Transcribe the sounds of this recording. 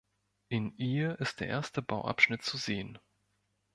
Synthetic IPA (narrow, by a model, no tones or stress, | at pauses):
ʔɪnʔiːʔɪst̚d̥eːɐʔḛːɐstəbaʊʔa̰pʃnɪtt͡suzeːən